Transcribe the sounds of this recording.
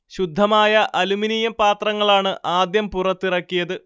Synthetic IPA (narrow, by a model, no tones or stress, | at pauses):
ɕud̪ʱːɐmaːjɐʔɐluminijɐmpaːt̪rɐŋːɐɭaːɳɨʔaːd̪jɐmpurɐt̪ːirɐkːijɐðɨ